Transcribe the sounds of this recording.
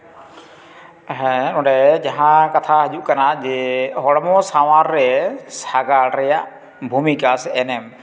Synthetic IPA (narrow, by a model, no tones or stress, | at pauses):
ɦɛ̃ʊ̃ɖɛd͡ʒaɦãkat̪ʰaɦəd͡ʒuʔkanad͡ʒeɦɔɽmɔsawaɾːɛsaɡaɾɛjaʔ | bʱumikasɛnɛm